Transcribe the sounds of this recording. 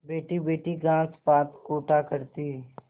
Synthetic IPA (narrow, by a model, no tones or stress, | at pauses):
beːʈibeːʈiɡãːspaːt̪koːʈakəɾt̪i